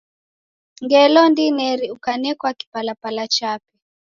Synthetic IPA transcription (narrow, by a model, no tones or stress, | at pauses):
ŋɡɛlɔndinɛɾiukanɛkwaki̥palapalat͡ʃapɛ